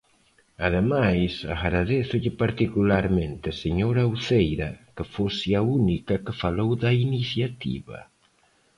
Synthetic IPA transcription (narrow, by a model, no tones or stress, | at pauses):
aðemajsaɣɾaðeθʊʎɪpaɾt̪ikulaɾmẽnt̪ɪaseɲoɾauθejɾɐkəfosɪaunikɐkəfalowðɐiniθjat̪ḭβɐ̰